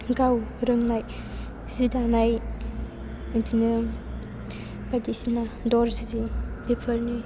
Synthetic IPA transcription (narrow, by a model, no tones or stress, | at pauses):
ɡawɾɯŋnaj | z̥idanaj | ɯtinɯ | b̥adisnadɔɾzizibepʰəlni